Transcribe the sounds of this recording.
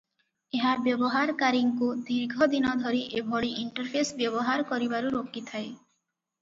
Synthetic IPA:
eɦabjɔbɔɦaɾkaɾiŋkud̪iɾɡʱɔd̪inɔd̪ʱɔɾiʔebʱɔɽiʔiɳʈɔɾpʰesbjɔbɔɦaɾkɔɾibaɾuɾokit̪ʰae

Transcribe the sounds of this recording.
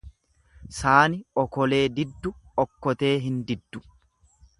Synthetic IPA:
saːnɪɔkɔle̞ːd̪ɪd̪ːʊɔkːɔt̪e̞ːɦɪnd̪ɪd̪ːʊ

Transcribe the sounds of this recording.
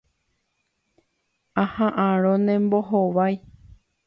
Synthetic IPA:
ãhãʔãɾõnẽmboɦoʋaj

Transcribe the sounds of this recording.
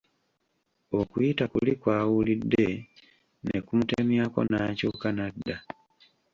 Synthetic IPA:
o̞kujitakulikwaːwulidːe̞ | ne̞̰kumutemjako̞̰naːcuːkanadːa

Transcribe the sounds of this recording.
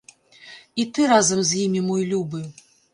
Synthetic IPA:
it̪ɨɾazɐmzʲjimʲimɔjlʲubɨ

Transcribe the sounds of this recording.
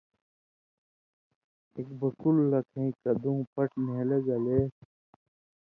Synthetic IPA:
ekbɐkulːɐkʰẽĩkɐd̪ũːpɐʈʰneleɡɐleː

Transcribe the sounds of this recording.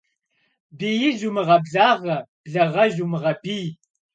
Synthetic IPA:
biːjiʒumɨʁɐbɮaːʁɐb̥ɮɐʁɐʒumɨʁɐbiː

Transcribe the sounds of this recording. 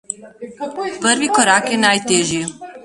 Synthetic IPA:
pəɾvikɔɾakɛnajt̪eʒi

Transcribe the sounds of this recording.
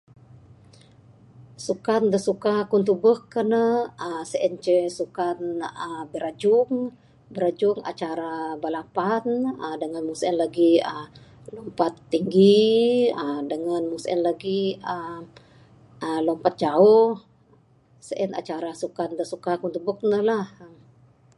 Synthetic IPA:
sukand̪əsukakunt̪ubəhkənəəsəʔɛnt͡ʃəsukanəbəɾad͡ʒʊŋ | bəɾad͡ʒuŋa̰t͡ʃaɾabalapanədəŋanmusɛnlaɡiə | lɔmpat̪ːiŋɡi | ədəŋanmusɛ̰nlaɡiə | əlɔmpat̪̚d͡ʒaɔh | səʔɛna̰t͡ʃaɾasukand̪əsukakunt̪ubək̚nəhlahə

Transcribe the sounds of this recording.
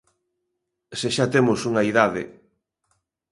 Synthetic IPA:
seʃat̪emʊsuŋaiðaðɪ̰

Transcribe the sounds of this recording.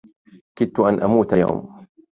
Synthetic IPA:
kɪd̪̚t̪ʊʔanʔamuːt̪aja̰wm

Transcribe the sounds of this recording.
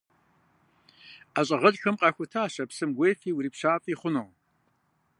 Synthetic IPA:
aɕʼɐʁɐt͡ʃʼxɨmqʼɑxʷʊtʰaːʃɐpsɨmɡʷeːfiːwɾiːpʃaːfʼiːχʷʊnoʁ

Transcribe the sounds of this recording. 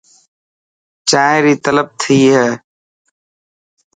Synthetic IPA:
t͡ʃaːẽɾiːt̪ələb̚t̪ʰiːɦɛː

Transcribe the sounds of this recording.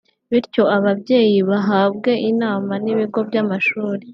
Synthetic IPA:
βiɾco̞aβabɟe̞ːjiβaɦaːbɡe̞ʔinaːmaniβiɡo̞bjamaʃuːɾe

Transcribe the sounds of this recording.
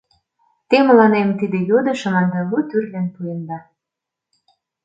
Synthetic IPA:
t̪emə̆lɑnemt̪id̪ĕjod̪ɤ̆ʃɤ̆mɑnd̪ɑmut̪yrlɘ̆npujənd̪ɑ

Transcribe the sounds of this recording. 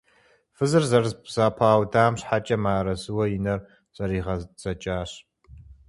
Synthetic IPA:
fɨzɨrzɐrbz̥aːpʰaːwdaːmɕħat͡ʃʼɐmaːɾɐzɨwɐjinɐr | z̥ɐɾiːʁɐz̥ɐt͡ʃʼaːɕ

